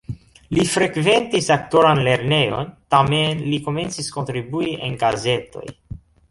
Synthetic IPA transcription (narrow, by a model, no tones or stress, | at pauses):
lifɾe̞kve̞ntisak̚to̞ɾanle̞ɾne̞jo̞̰ntamenliko̞me̞nt͡sisko̞ntɾibuiʔḛnɡaze̞to̞̰j